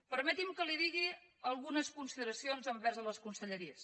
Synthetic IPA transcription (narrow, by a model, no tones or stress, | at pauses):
pəɾmət̪imkəliðiɣiəlˠɣunəskunsiðəɾəsionzəmbɛrzələskunsəʎəɾiəs